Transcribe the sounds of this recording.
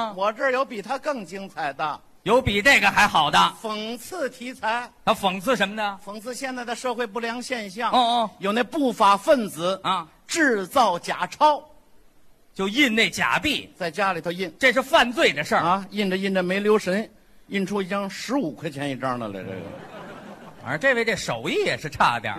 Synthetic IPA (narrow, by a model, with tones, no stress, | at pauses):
wɔ˨˩ʈ͡ʂə˥˩jo˧˥ʊpi˨˩t̪ʰa˥kɤ˥˩ŋt͡ɕi˥ŋt͡sʰa˨˩ɪd̪ə˧ | jo˧˥ʊpi˨˩ne˥˩ɪɡə˩xa˧˥ɪxɑ˨˩ʊd̪ə˦fə˨˩ŋt͡sʰɹ̩˥˧t̪ʰi˧˥t͡sʰa˧˥ɪt̪ʰa˥fɤ˨˩ŋt͡sʰɹ̩˥˩ʂə˧˥nmə˧nə˧fɤ˧˥˩ŋt͡sʰɹ̩˥˧ɕjɛ˥˧nt͡sa˥˩ɪd̪ə˧˩ʂɤ˥˧xwe˥˧ɪp̬u˥˩ljɑ˧˥ŋɕjɛ˥˧nɕjɑ˥˩ŋ˥˧˥jo˨˩ne˥˧pu˥˩fa˨˩fə˥˩nt͡sɹ̩˨˧˩ | ʈ͡ʂɻ̩˥˧t͡sɑ˥˩ʊt͡ɕja̰˨˩ʈ͡ʂʰɑ˥ʊ | t͡ɕjo˥˧ʊi˥˧nne˥˩ɪt͡ɕja̰˨˩pi˥˩t͡sa˥˩ɪt͡ɕja˥li˨˩t̪ʰo˥˧ʊi˥˧nʈ͡ʂɤ˥˧ʂ̬ɻ̩˥˧fa˥˧nt͡swe˥˩ɪd̪ə˩ʂə˥˧˩ɐ˧i˥˧nʈ͡ʂə˩i˥˩nʈ͡ʂə˩me˧˥ɪljo˧˥ʊʂə˧˥n | i˥˩nʈ͡ʂʰu˥i˧˩t͡ɕjɑ˥ŋʂɻ̩˧˥u˨˩kʰwa˥ɪt͡ɕʰɛ˧˥ni˥˩ʈ͡ʂa˥nə̰˨˧lḛ˧˩˥ | ə̰˞˧˥ʈ͡ʂe˥˧ʋe˥˩ɪd̪ə˨˩ʂo˨˩ʊi˥˩jɛ˨˩ʂɻ̩˥˧ʈ͡ʂʰa̰˥˧t̪jɑ̰˥˩˧